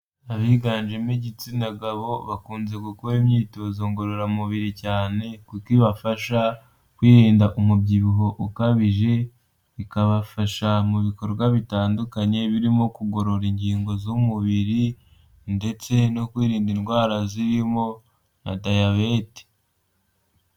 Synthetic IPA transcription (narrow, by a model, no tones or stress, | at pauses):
aβiɡaːnʒemeɟit͡sinaɡaβo̞βakuːnze̞kukoimɲiːtoːzoŋɡo̞ɾoɾamuβiɾicaːne̞kukiβafaʃa | kwiːɾiːndaʔumubɟiβuɦo̞ʔukaβiʒe̞ | βikaβafaʃamuβiko̞ɾβɡwaβitaːndukaɲe̞βiɾimo̞kuɡo̞ɾo̞ɾiɲɟiːŋɡo̞zumuβiɾi | nde̞t͡se̞nokwiːɾiːndinɡwaːɾaziɾimo̞ | na̰dajaβeti̥